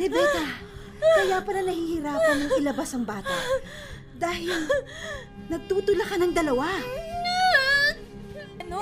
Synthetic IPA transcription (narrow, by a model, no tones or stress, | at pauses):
lɛbɛːt̪a | kɐjaːpɐlɐnɐhiːhɪɾaːpɐnɐŋʔɪlɐbasɐŋbaːt̪ɐʔ | d̪aːhɪl | nɐɡ̚t̪uːt̪ʊlɐkɐnɐŋd̪ɐlɐwa | ɐn